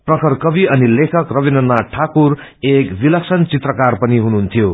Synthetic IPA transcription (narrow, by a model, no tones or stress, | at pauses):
prʌkʰʌrkʌbiʌnilekʰʌkrʌbinʌnːaʈʰakur | ekbilʌksʌnt͡sit̪rʌkarpʌniɦunuɦːnt̪ʰijo